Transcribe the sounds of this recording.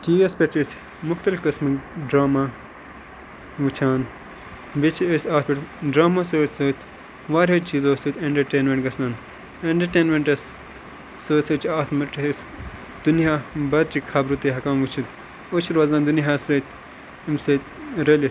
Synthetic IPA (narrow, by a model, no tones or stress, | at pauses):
t̪iːɐspʲet͡ʃis | mʊxt̪ɐlifkɐsmɨkɖɾaːmaː | ʋut͡ʃʰaːn | bit͡ʃʰesʲaːt̪̚ʰpʲeʈɖɾaːmasoːsoːt̪ʰ | ʋaːɾʲɦet͡ʃiːzoːsut̪ʰʲeɳʈɐɾʈeːnmẽɳʈɡɐsnaːn | eɳʈɐɾʈeːnmẽɳʈɐs | soːsɐt͡ʃaːt̪ʰmɐʈːs | d̪̥unjaːbɐɾ̚t͡ʃikʰabɾut̪eɦɐkaːmʋut͡ʃʰut̪ | oːt͡ʃʰiɾʋaːzãːnd̪unɦaːsɾɐːt̪ʰ | imsɐt̪ɾeli